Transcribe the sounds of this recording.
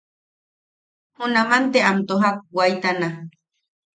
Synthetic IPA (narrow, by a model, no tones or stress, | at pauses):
hunamant̪eamt̪oɦak̚wajt̪ana